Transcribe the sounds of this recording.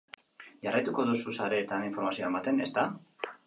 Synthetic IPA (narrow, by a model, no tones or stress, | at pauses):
ʝarajt̪uko̞ðususaɾe̞ːt̪aniɱfo̞ɾmasioemat̪e̞ne̞st̪a